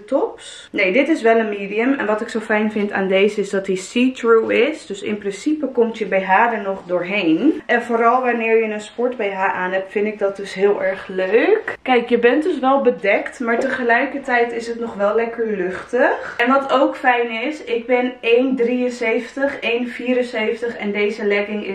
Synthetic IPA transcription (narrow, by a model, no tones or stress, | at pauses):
tɔps | nejdɪtɪsʋɛlˠənmeːdiəmɛ̰nʋɑtɪksowfɛjnvɪnta̰ːndejzəɪsdɑtdisiːtɹuɪsdɵsɪ̰nprɪnsipəkɔmtjəbɛjɦaːdənɔχdʊːɹɦejnʔɛnvoːɾɑlˠʋanɪːɹjənənspɔɹtbɛjɦaːɹʔaːnɦɛp̚tfɪntɪɡ̚dɑt̚d̥ɵsɦɪːlˠʔɛɹχløɥkkɛjkjəbɛntdɵs̬ʋɛlˠbədɛktmaːɹtəχəlɛjkəɹtɛjtɪsɦətnɔχʋɛlˠlɛkəɹlɵχtəχɛnʋɑtowkfɛjnɪsɪɡ̚bɪnejndriənsejfətəχejnviːɾənsejftəχɛndejzəlɛɡɪŋɪ